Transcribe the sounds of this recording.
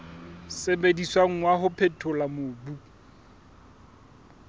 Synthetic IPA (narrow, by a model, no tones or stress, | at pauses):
sebediswaŋ̩ŋwaɦʊpʰɛtʰʊlamʊːbu